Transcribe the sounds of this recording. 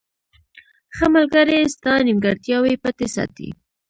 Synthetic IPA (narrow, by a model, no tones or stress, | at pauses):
xəmalɡaɾest̪ɑnimɡaɽt̪jɑwepət̪esɑ̰t̪ḭ